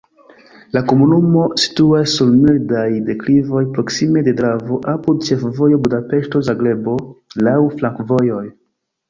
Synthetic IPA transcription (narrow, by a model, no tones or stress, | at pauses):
lako̞munumo̞si̥tuasːulmildajde̞klivo̞jpɾo̞ksime̞dedɾavo̞ʔapud̚t͡ʃe̞fvo̞jo̞budape̞ʃto̞zaɡɾe̞bo̞lawflaŋkvo̞jo̞j